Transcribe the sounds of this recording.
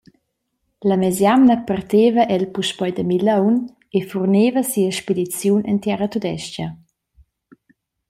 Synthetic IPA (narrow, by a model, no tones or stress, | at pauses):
ləmɛzjamnəpart̪evəʔɛlpuʃpɔjdəmilawn | efurneːvəsiəʃpedit͡sjunʔɛntjaɾət̪ud̪ɛʃcə